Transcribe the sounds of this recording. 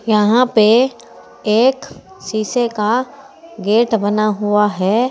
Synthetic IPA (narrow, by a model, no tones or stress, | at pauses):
jɐɦãpe | eːk | siːseka | ɡeːʈbɐnaɦʊaɦɛː